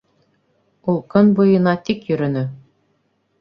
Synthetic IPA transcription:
ulˠkɤnbujɤ̆nɑt̪ʲikjɵ̆ɾɘ̆nɘ

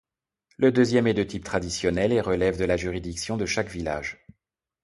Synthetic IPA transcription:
ləd̪øzjɛmed̪øt̪ʰip̚t̪χad̪isjɔnɛleʁəlɛvd̪əlaʒyʁid̪iksjɔ̃d̪əʃakvila̰ːʒ

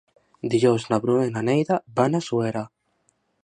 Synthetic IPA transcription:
d̪iʎoznaβɾuenanejðabanasueɾa

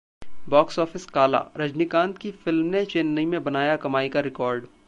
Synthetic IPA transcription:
bɔːksɔːfɪskaːla̰ɾɐd͡ʒnikãːnt̪kifɪlmnet͡ʃeːnːɐimẽbɐnaːjakɐmaːikaɾɪkɔːɾɖ

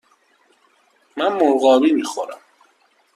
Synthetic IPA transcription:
mænmoɾɣɒːbiːmiːxoɾæ̰m

